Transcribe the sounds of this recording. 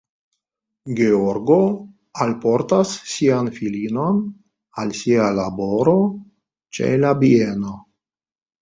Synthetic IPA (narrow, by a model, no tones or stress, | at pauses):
ɡeoɾɡo | alpo̞ɾtasːianfilino̞n | alsialaboɾo̞ | t͡ʃe̞̰labieno̞